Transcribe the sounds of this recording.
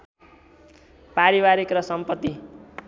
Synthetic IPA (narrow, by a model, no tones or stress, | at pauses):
paɾibaɾikrʌsʌmpʌt̪ːi